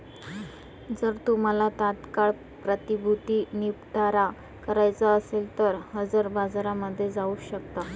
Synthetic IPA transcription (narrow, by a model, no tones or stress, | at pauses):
d͡zəɾt̪um̤alat̪at̪kaɭ | pɾət̪ibʱut̪inipʈaɾa | kəɾajt͡səəselt̪əɾhəd͡zəɾbad͡zɾaməd̪ʱːjed͡zauːɕəkt̪a